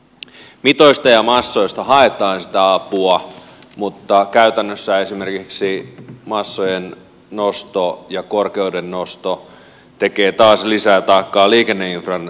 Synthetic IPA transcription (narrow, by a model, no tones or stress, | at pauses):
mit̪ojst̪ɑjɑmɑsːo̞jst̪ɑhɑet̪ɑːnsi̥t̪æɑpuɑ | mut̪ːɑkæyt̪ænːøsːæe̞sime̞rkiksimɑsːojenː | ost̪ojɑkorkeudenːost̪o | t̪e̞keːt̪ɑːslisæːt̪ɑikːɑːliːkenːeinfrɑn